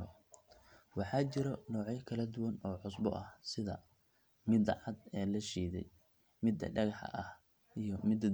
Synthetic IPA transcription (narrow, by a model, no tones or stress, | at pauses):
wɑħɑːt͡ʃɪɾɔnɔːʕɛjkʰɐlɐd̪ʊwɐnɔːʕʊsbɔ̰ʔɐhsɪðɐ̰ | mɪd̪ɑʕɑd̪ɛːlɐʃiːðɛ̰j | mɪd̪ɐ̰ɖɐɣɑħɐ̰ʔɐh | ijɞmɪd̪